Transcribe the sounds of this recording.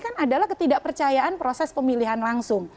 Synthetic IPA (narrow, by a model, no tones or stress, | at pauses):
kanadalahkət̪idaʔpərt͡ʃajaʔanpɾosɛspəmiliɦanlaŋsʊŋ